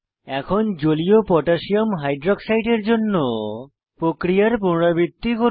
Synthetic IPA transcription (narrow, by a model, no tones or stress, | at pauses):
ɛkʰond͡ʑoliopɔʈaʃiomɦajɖɾoksajʈeɾd͡ʑonːo | pɾokɾijaɾpunɾabit̪ːikoɾ